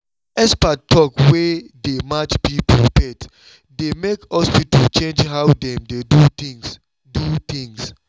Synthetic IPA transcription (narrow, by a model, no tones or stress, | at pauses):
ɛspattʰːɔkwedemat͡ʃpipʰɔpɛt | demekhɔspitalt͡ʃẽnd͡ʒɦawdɛ̃mdeduĩŋs | dut̪ĩŋs